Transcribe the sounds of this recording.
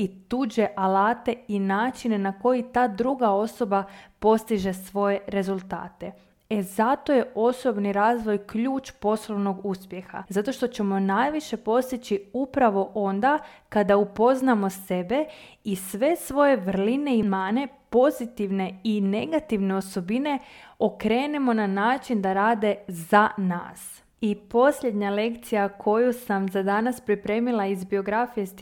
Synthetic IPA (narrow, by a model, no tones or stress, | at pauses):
it̪uːd͡ʑe̞ʔalaːt̪e̞inaːt͡ʃine̞nako̞jit̪aːd̪ɾuɡao̞so̞bapo̞st̪iʒe̞sʋo̞je̞ɾe̞zulˠt̪a̰ːt̪e̞ | ezat̪o̞je̞ʔo̞so̞bniɾaːzʋo̞jkʎuːt͡ʃpo̞sloʋno̞ɡuspje̞xa̰zat̪o̞ʃt̪ot͡ɕe̞mo̞najʋiʃe̞po̞st̪it͡ɕiupɾaʋo̞ʔo̞nd̪akad̪aupo̞znamo̞se̞be̞ | isʋe̞sʋo̞je̞ʋr̩line̞imaːne̞po̞zit̪iʋne̞ine̞ɡat̪iʋne̞o̞so̞bine̞o̞kɾe̞ːne̞mo̞nanaːt͡ʃind̪aɾaːd̪e̞zana̰ːs | ipo̞sʎe̞d̪ɲale̞kt̪sijakʰo̞jusamzad̪anaspɾipɾe̞ːmilˠaizbio̞ɡɾafije̞s